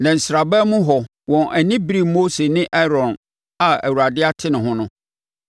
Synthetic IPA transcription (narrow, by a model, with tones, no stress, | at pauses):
nã˨n̩˨sɾa˨bɛ˦mũ˦ɦɔ˨ | wɔ̃˨nʔæ˨nɪ̃˦bɾi˨mːo˦se˨nɪ̃˦ʔɛ˦ɾɔ̃˨n | a˨æ̰˨wu˨ɾa˨dɪ˦a˦tʰɪ˦nɪ̃˨ɦʊ̃˦nʊ̃˦